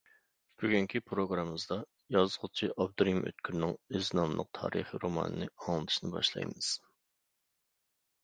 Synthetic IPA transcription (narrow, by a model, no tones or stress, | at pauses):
kʲʰyɡʲyŋkʲʰipʰɾoɡɾɑmːɨzd̪ɑ | jɑzʁʊt͡ʃʰiʔɑb̚d̪uɾjimʔø̰t̪̚kʲʰyɾnɪŋøznɑmlˠə̰q̚t̪ʰɑ̰ːɾɨ̰χiɾomɑ̰nɨnɨɑŋlˠɨt̪ʰɨ̥ʃinɨbɑ̰ʃlˠɑ̰jmɨz̥